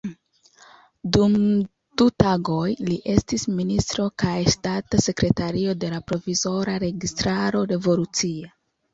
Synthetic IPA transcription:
dum | d̥utaɡo̞jliʔe̞stisministɾo̞kajʃtatase̞kɾe̞taɾio̞de̞lapɾo̞vizo̞ɾaɾe̞ɡistɾaɾo̞ɾe̞vo̞lut͡sia

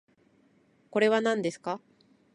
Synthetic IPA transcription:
ko̞ɾe̞βanãnd̪e̞sɨ̥ka

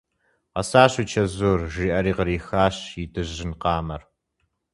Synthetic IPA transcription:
qɐ̰saːɕiːt͡ʃʰɐzoːrʒiːʔɐɾiːqəɾiːxaːɕjɪdɨʑɪnqɑːmɐr

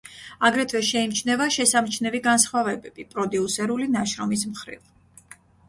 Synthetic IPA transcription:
aɡɾɛt̪ʰvɛʃɛimt͡ʃʰnɛvaʃɛsamt͡ʃʰnɛviɡansχwavɛbɛb̥ipʼɾɔd̪iusɛɾulinaʃɾɔmis̬mχɾḭv

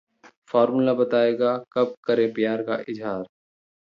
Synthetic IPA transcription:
fɔːɾmulabɐt̪aːeːɡakɐb̚kɐɾẽpɪjaːɾka̰ʔɪd͡ʒɦaːɾ

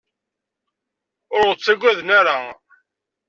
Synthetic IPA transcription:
ʊɾʁət͡sːæɡʷæðnaɾa

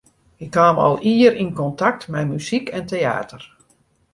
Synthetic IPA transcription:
ɪkhaːmɑ̰lˠiəɾinkɔntak̚tmɛjmyzikɛntea̰ːtər

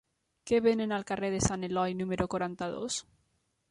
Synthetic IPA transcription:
keβenenalkareðesanelɔjnũmeɾokwoɾant̪aðo̰s

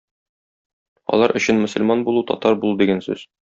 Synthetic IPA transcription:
ɒ̰lˠɑɾʔɵ̆ɕɘnmɵ̆sə̆lmɑnbulˠut̪ɒ̰t̪ɑɾbulˠud̪iɡænsʉ̰z̥

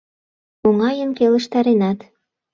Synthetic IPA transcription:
oŋɑjənkelə̆ʃt̪ɑɾenɑt̪

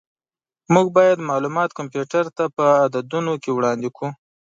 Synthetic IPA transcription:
muɡ̚bɑjad̪mɑlumɑt̪kampjuʈaɾt̪apəad̪ad̪unokewɽɑnd̪ekʰu

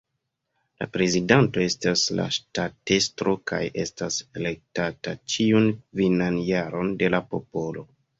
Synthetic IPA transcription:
la̰pɾe̞zidanto̞e̞stasla̰ʃtatestɾo̞kajʔe̞stase̞le̞k̚tatat͡ʃiunkvinanjaɾo̞nde̞lapo̞po̞lo̞

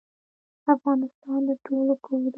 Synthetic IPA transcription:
afɣɑnɪst̪ɑnd̪əʈʰolokʰowɾ

